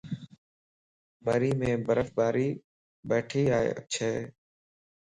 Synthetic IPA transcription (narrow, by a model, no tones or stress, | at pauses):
məɾiːmẽːbəɾəfbaːɾiː | bɛːʈʰiːaːḛt͡ʃʰɛː